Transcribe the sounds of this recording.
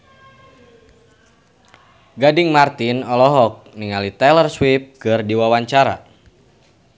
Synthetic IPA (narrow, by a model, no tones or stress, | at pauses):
ɡadiŋmart̪inɔlɔɦɔk̚niŋalit̪ɛlərswip̚kɨrdiwawaɲt͡ʃaɾa̰